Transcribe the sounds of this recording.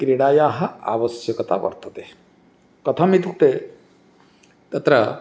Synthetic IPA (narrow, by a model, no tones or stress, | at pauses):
kɾiɽaːjaːɦɐ̆a̰ːʋɐsjɐkɐt̪a̰ʋɐ̰ɾt̪ɐt̪e | kɐt̪ʰɐmit̪ukt̪e | t̪ɐt̪ɾɐ